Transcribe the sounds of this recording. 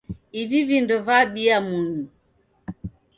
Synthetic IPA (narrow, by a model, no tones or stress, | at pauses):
ivivindɔvaɓiamunu